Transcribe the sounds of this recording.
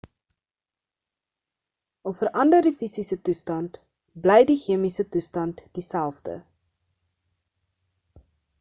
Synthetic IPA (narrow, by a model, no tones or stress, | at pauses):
ɔlfəɾʔɐndərdifisisətustɐnt | blɛjdiχiəmisətustɐntd̥isælˠfdə̰